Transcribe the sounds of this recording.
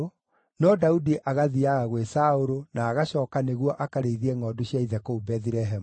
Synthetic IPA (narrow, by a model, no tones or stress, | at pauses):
nɔdaudiʔaɣaðiaɣaɣwesaoɾonaːɣaɕɔːkaneɣwɔʔakaɾeðiɛŋɔːdoɕiaiðɛkoubɛθiɾɛɦɛm